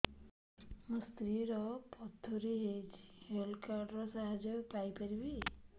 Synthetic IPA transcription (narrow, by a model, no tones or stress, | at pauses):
məst̪ɾiɾɔpɔd̪ʱɔɾeɦed͡ʒhelkaɾɖɾɔsaɦad͡ʒɔpajpaɾibi